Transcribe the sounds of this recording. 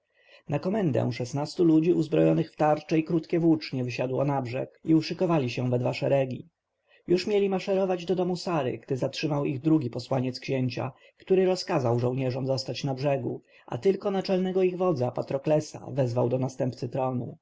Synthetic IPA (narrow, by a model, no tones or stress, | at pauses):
nakɔmɛnd̪ɛ̰w̃ʂɛsnast̪ulud͡ʑiʔuzbɾɔjɔnɘxft̪aɾt͡ʂɛikɾut̪kʲɛvwut͡ʂɲɛvɘɕad̪wɔnabʐɛ̰kiuʂɘkɔvalʲiɕɛ̃vɛd̪vaʂɛɾɛɡʲḭ | juʂmʲjelʲimaʂɛɾɔvad͡ʑd̪ɔd̪ɔmusaɾɘ̰ɡd̪ɘzatʂɘmawiɣd̪ɾuɡʲipɔswaɲɛt̪skɕeɲt͡ɕa̰ | kt̪uɾɘɾɔskazawʐɔwɲɛʐɔmzɔst̪at͡ɕnabʐɛɡṵ | ʔa̰t̪ɘlkɔnat͡ʂɛlnɛɡɔiɣvɔd̪zapat̪ɾɔklɛsa̰vɛzvawd̪ɔnast̪ɛmpt̪sɘt̪ɾɔnṵ